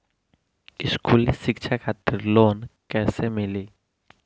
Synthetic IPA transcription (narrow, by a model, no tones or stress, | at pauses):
ɪskuːlesɪkʃʰakʰaːt̪ɪɾloːnkɛːsemɪliː